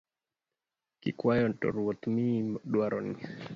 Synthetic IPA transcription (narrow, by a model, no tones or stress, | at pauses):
kikwajɔntɔ̰ɾuot̪mimɗwaɾʔɔni